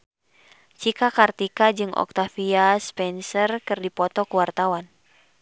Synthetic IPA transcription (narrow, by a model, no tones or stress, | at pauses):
t͡ʃikakart̪ikad͡ʒɨŋɔ̰k̚t̪afiaspɛnsərkɨrdipɔt̪ɔkuwart̪awan